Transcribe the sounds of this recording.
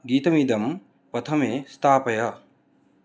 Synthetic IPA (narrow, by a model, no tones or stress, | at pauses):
ɡiːt̪ɐmiːd̪ɐm | pɐt̪ʰɐmest̪aːpɐjɐ